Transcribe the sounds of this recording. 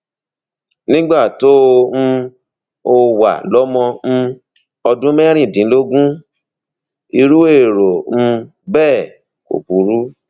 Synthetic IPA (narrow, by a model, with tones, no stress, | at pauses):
nĩ˦ɡ͡ba˦˨to˦˧ñ̩˧ | o˧wa̰˨lɔ˨˦mɔ̃˧n̩˧ | ɔ˧dũ˦mɛ˦ɾ̃ĩ˦˨dĩ˨˦lo˦ɡũ˦ | i˧ɾu˦e˦˨ɾo˨n̩˧ | bɛː˦˨ | ko̰˨bu˨˦ɾu˦